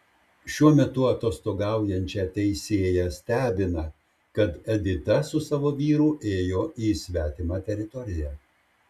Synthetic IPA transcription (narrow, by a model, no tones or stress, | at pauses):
ʃʲuɔmʲɛt̪ʊɐt̪oːst̪oːɡɑˑʊjɛnʲt͡ʃʲɛt̪ʲɛɪsʲeːjɛsʲt̪ʲæːbʲɪnɐ | kɐt̪ɛd̪ʲɪt̪ɐsʊsɑːʋoːʋʲiːɾuːʔeːjoːiːsʲʋʲæːt̪ʲɪmɑːt̪ʲɛɾʲɪt̪ɔɾʲɪjæː